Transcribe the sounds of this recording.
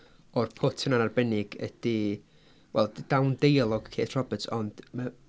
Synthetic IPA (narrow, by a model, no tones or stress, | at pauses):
ɔrpʰʊtʰənanarbɛnɪɡəd̥i | wɛ̰lˠd̥awndejlˠɔɡ̥kʰḛːθr̥ɔbətʰɔnd̥ma